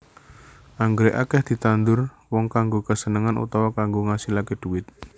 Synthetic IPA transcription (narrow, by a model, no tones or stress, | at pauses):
ʔaŋɡɾeʔakɛhd̪̥i̤t̪and̪ʊr | wɔŋkaŋɡokəsənəŋanʔṵt̪awakaŋɡoŋasilaked̪̥uɪt̪̚